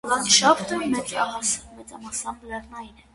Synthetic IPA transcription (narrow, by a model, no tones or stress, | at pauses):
vɑnʃɑpʰt̪əmɛt͡sɑɑsmɛt͡sɑmɑsɑmblɛrnɑinɛ